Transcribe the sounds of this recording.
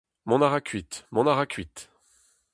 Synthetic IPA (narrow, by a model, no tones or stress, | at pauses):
mɔ̃naʁakʲʰɥit̪mɔ̃naʁakʰʲɥit̪